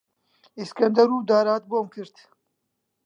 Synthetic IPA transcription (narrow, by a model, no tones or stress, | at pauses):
iskɐnd̪ɐɾuːd̪aːɾaːt̪̚boːmkʰɨɾt̪